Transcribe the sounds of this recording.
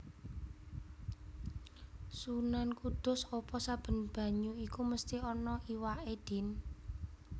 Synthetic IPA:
sunankud̪̥ʊ̤sɔpɔsab̥ə̤nb̥a̤ɲuikuməst̪iɔnɔʔiwaʔed̪̥i̤n

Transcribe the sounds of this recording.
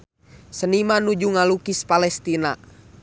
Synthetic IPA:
sənimanud͡ʒuŋalukispalɛst̪ina

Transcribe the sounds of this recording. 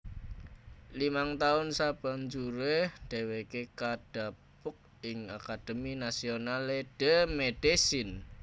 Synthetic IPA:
limaŋt̪aʊnsab̥a̤ɲd͡ʒuɾehɖ̥e̤wekekaɖ̥a̤pʊk̚ɪŋakad̥əminasionaleɖ̥əmed̥esɪn

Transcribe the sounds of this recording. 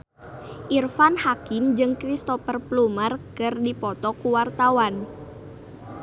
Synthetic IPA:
ʔirfanhakimd͡ʒɨŋkɾist̪ɔpərplumərkɨrdipɔt̪ɔkuwart̪awan

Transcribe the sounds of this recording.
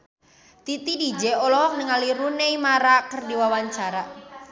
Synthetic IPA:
t̪it̪idid͡ʒɛɔlɔɦɔk̚nəŋaliɾunejmaɾakərdiwawaɲt͡ʃaɾa

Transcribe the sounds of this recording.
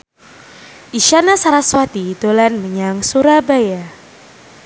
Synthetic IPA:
ʔiʃanasaɾaswat̪id̪olanməɲaŋsuɾabaja

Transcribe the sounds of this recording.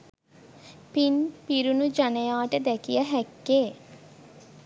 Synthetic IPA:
pinpiɾunud͡ʒanejaːʈəd̪ɛkijəɦækːeː

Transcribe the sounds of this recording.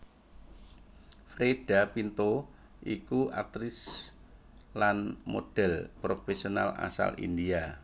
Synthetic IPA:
fɾeɖ̥apint̪o | ʔikuʔa̰t̪ɾɪs | lanmo̰d̥ɛ̤lpɾofesiona̰la̰sa̰lḭndia

